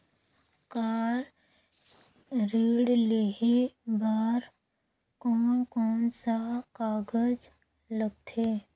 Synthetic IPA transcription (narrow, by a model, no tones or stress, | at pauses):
kaːɾ | ɾiːɽleebaːɾ | kɔːnkɔːnsakaːɡəd͡ʒ | ləɡ̚t̪ʰeː